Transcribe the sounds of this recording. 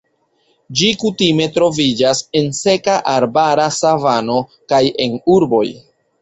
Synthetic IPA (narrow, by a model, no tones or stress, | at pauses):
d͡ʒikutime̞tɾo̞vid͡ʒase̞nse̞kaʔaɾbaɾasavano̞ | kaje̞nuɾbo̞̰j